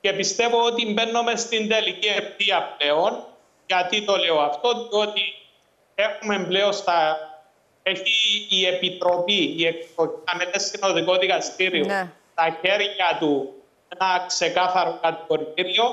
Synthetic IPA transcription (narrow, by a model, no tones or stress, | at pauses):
ce̞pist̪e̞vo̞ot̪imbe̞nːo̞me̞st̪ind̪e̞licieft̪iɐple̞o̞n | ʝɐt̪it̪o̞leoɐft̪o̞tio̞t̪i | e̞xume̞mbleo̞st̪ɐ | eçiːe̞pit̪ɾo̞piiekspociɐmeðesino̞ðiko̞ðikɐst̪iɾio̞st̪ɐçe̞ɾʝɐt̪u | enɐkse̞kɐθɐɾokɐt̪iko̞ɾit̪iɾio̞